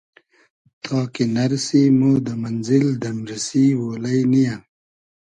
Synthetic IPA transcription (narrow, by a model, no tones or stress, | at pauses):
t̪ʰɑːkinɐɾsimoːd̪əmɐnzild̪ɐnɾɐsiwoːlɐjnija